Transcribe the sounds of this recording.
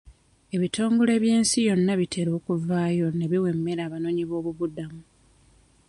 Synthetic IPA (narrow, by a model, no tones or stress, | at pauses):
e̞βito̞ːŋɡole̞ːβje̞ːnsijo̞nːaβitʰe̞ɾo̞ːkuvaːjo̞ne̞βiwe̞mːe̞ɾaːβano̞ːɲiβo̞ːβuβudamu